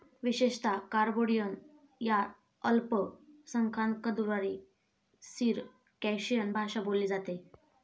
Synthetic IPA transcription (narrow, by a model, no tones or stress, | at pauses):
ʋiɕeɕt̪akaɾboɽijən | ja | əlpəsəŋkʰankəd̪uɾaɾi | siːɾ | kɛɕijənbʱaɕabolːiːd͡zat̪e